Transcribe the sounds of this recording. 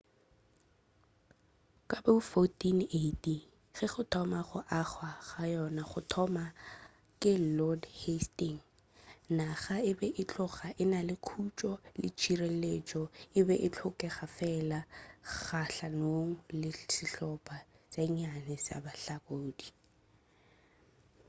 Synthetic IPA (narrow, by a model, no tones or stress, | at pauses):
kʼabaʊfotʼinetʼi | χɛχʊtʰɔmaχʊʔaχwaχajɔnaχʊtʰɔma | kʼɪlɔdhestiŋ̩ | naχaɪbɛʔɪt͡ɬʊχaʔɪnalɪkʰut͡ʃʼɔlɪ̰t͡ʃʰirelet͡ʃʼɔɪbɛʔɪt͡ɬʰʊkʼɛχafɛlaχaɬanoŋ̩lɪsɪɬɔpʼat͡saɲanɪsa̰baɬakʼoːdi